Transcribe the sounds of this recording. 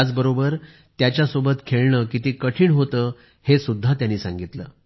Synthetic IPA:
d͡zbəɾobəɾ | t̪jat͡ɕjasobət̪kʰeɭɳəːkit̪iːkəʈʰiːɳɦot̪əː | hesud̪ʱːat̪janːiːsãŋɡit̪lə̰ː

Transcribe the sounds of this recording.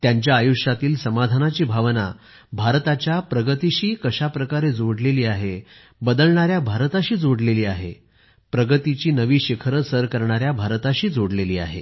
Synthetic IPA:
t̪jaɲt͡ɕjaːjuʂjat̪iːlsəmad̪ʱanat͡ɕiːbʱaʋna̰ | bʱaɾt̪at͡ɕjapɾəɡət̪iɕiːkəɕapɾəkaɾed͡zoɽleliːaɦe | bəd̪əlɳaɾjabʱaɾt̪aɕiːd͡zoɽleliːaɦḛ | pɾəɡət̪it͡ɕiːnəʋiːɕikʰəɾəsəɾkəɾɳ̃aɾjabʱaɾt̪aɕiːd͡zoɽleliːa̰ɦe

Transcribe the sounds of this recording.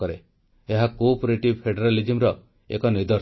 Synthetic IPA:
ɔɾe | eɦakopɾeʈibpʰeɖɔɾalid͡ʒimɾɔ | ekɔnid̪ɔ

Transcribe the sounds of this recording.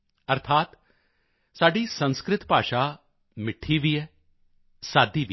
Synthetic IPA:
əɾt̪ʰaːt̪ | saːɖiːsə̃nskɾɪt̪paːʃaː | mɪʈʰːiːʋiːɛː | saːd̪iːʋi

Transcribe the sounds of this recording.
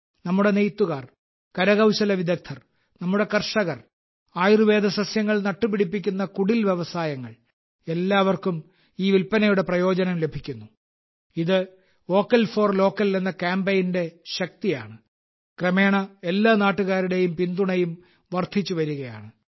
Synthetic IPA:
nɐmːuɽe̞nejt̪ːuɣaːr | kɐɾɐɣɐwɕɐlɐʋid̪ɐk̚t̪ʰːɐr | nɐmːuɽe̞kɐrʂɐɣɐr | aːjirɨʋe̞ːd̪ɐsɐsjɐŋːɐɭnɐʈːupiɽipːikʲːunːɐkuɽilʋje̞ʋɐsaːjɐŋːɐɭ | e̞lːaːʋɐrkum | iːʋilpɐnɐjuɽe̞prɐjo̞ːd͡ʑɐnɐmle̞bʱikʲːunːu | iðɨ | o̞ːkːɐlfo̞ːrlo̞ːkːɐllenːɐkaːmbejnde̞ɕɐk̚t̪ija̰ːɳɨ | krɐme̞ːɳɐe̞lːaːnaːʈːuɣaːɾuɽe̞jumpind̪uɳɐjum | ʋɐrd̪ʰʱit͡ɕːuʋɐɾuɣɐja̰ːɳɨ

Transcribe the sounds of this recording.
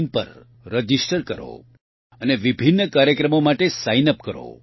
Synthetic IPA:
npə̰ɾː | əd͡ʒisʈəɾkəɾo̰ | əneʋibʱinːəkaɾjəkɾəmomaʈesajnəpkəɾo̰

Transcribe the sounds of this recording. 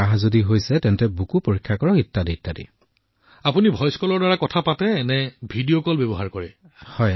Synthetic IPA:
aɦzodiɦojsɛtɛntɛbukupoɹikʰːjakɔɹɔkitːaditːadḭ | apunibʱɔjskɔlɔɹdaɹakɔtʰapatɛːnɛbʱidiokɔlbebɔɦaɹkɔɹɛ | hɔj

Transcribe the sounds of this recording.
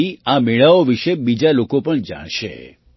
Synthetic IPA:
iameɭaoʋiʃebid͡ʒalokopəɳd͡ʒa̰ɽ̃ʃḛ

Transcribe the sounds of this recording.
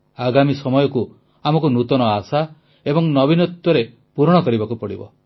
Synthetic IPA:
aɡamisɔmɔjɔku | amɔkunut̪ɔnɔasa | ebɔŋnɔbinɔt̪wɔɾe | puɾɔɽ̃ɔkɔɾibakupɔɽḭbɔ̰

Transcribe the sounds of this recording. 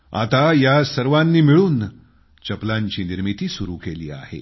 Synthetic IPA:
a̰t̪ajasəɾʋanːiːmiɭuːn | t͡ɕəplaɲt͡ɕiːniɾmit̪iːsuɾukelḭːa̰hḛ

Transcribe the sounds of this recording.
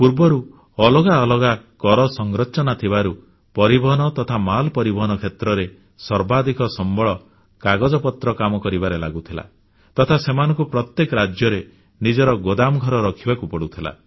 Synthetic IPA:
puɾbɔɾu | ɔlɔɡaɔlɔɡakɔɾɔsɔŋɡɾɔt͡ʃɔnat̪ʰibaɾu | pɔɾibɔɦɔnɔt̪ɔt̪ʰamalpɔɾibɔɦɔnɔkʰet̪ɾɔɾe | sɔɾbad̪ikɔsɔmbɔɭɔ | kaɡɔd͡ʒɔpɔt̪ɾɔkamɔkɔɾibaɾela̰ɡut̪ʰila̰ | t̪ɔt̪ʰasemanɔ̃ŋkupɾɔt̪jekɔɾad͡ʒjɔɾe | nid͡ʒɔɾɔɡod̪amɡʱɔɾɔɾɔkʰibakupɔɽut̪ʰila̰

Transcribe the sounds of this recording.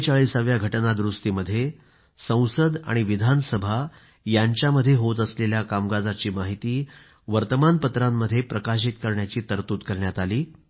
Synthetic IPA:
t͡ɕaɭisaʋjaɡʱəʈnad̪ɾust̪iːməd̪ʱːje | sə̃w̃səd̪a̰ɽ̃iʋid̪ʱansəbʱa | jaɲt͡ɕjaməd̪ʱːjeɦot̪̬əsleljakamɡad͡zat͡ɕiːmaɦit̪iː | ʋəɾt̪əmanpət̪ɾamːəd̪ʱːjepɾəkaɕ̬it̪kəɾɳjat͡ɕiːt̪əɾt̪uːt̪kəɾɳjat̪aliː

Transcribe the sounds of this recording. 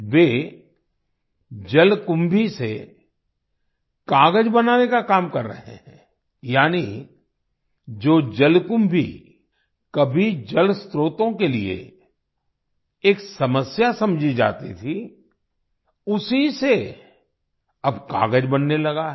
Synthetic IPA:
ʋeː | d͡ʒɐlkʊ̃mbʱise | kaːɡəd͡ʒbɐnaːnekakaːmkɐɾːə̰ɦḛɦɛ̰̃ː | jaːni | d͡ʒoːd͡ʒɐlkʊ̃mbʱḭ | kɐbʱid͡ʒɐlst̪ɾoːt̪õkeliḛ | eːksɐməsjasɐ̃md͡ʒʱid͡ʒa̰ːt̪it̪ʰi | ʊsise | ɐbka̰ːɡəd͡ʒbɐnːelɐɡaɦɛ

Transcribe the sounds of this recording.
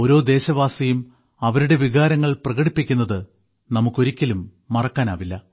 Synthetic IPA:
o̞ːɾo̞ːd̪e̞ːɕɐʋaːsɐjum | ɐʋɐɾuɽe̞ʋiɣaːɾɐŋːɐɭprɐɣɐɽipːikʲːunːɐðɨ | nɐmukːo̞ɾikʲːɐlumː | ɐrɐkːaːna̰ːʋilːɐ

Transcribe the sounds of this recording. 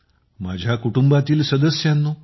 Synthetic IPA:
mad͡ʑʱjakuʈumbat̪iːlsəd̪əsjanːo

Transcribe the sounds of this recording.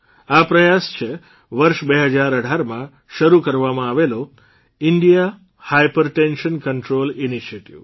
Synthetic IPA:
apɾəjast͡ʃʰe | ʋəɾʃbeɦəd͡ʒaɾəɽʱaɾmã | ʃəɾukəɾʋamãaʋelo | ɪɳɖija | hajpəɾʈenʃənkəɳʈɾoliniʃieʈiʋ

